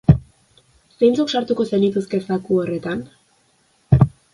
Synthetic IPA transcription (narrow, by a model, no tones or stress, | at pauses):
se̞jnt͡sokʃaɾt̪uko̞senit̪uske̞sakuore̞t̪an